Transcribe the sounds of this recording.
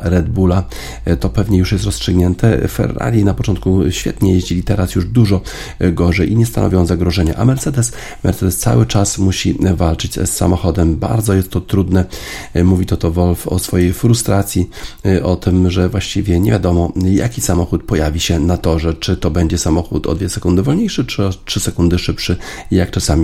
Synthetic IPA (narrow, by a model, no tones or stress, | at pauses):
ɾɛd̪̚bula | t̪ɔpɛvɲɛjuʂjɛst̪ɾɔstʂɘɡɲɛnt̪ɛfɛ̰ɾːa̰lʲjinapɔt͡ʂɔnt̪̚kuɕfʲjɛ̰t̪ɲɛjeʑd͡ʑilʲit̪ɛɾasjuʐd̪uʐɔ | ɡɔʐɛjʔiɲɛst̪anɔ̰vʲjɔ̃zaɡɾɔʐɛɲɛʔa̰mɛɾt̪sɛd̪ɛs | mɛ̰ɾt̪sɛd̪ɛst̪sa̰wɘt͡ʂasmuɕivalt͡ʂɘt͡ɕsːa̰mɔxɔd̪ɛmba̰ɾd̪zɔjɛst̪ːɔt̪ɾud̪nɛ | muvʲit̪ɔt̪ɔvɔlfɔ̰sfɔjejfɾust̪ɾat̪sʲjiʔɔt̪ɘmʐɛvwaɕt͡ɕivʲjɛɲevʲjad̪ɔmɔja̰kʲisamɔxut̪̚pɔjavʲiɕɛnat̪ɔʐɛt͡ʂɘt̪ɔbɛɲd͡ʑɛsamɔxṵt̪ɔ̰d̪vʲɛsɛkund̪ɘvɔlɲejʂɘt͡ʂɔtʂɘsɛkund̪ɘʂɘpʂɘjakt͡ʂasamʲi